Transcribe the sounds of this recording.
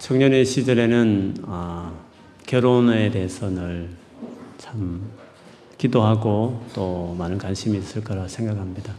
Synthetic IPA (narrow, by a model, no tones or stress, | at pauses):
t͡ɕʰʌŋɲʌne̞ɕʰid͡ʑʌɾe̞nɯnʌ | kjʌɾone̞teɦesʰʌnɯɭ | t͡ɕʰam | kidoɦaɡot͈omanɯnkwanɕʰimiːs͈ɯɭk͈ʌɾasʰe̞ŋɡakhamɲida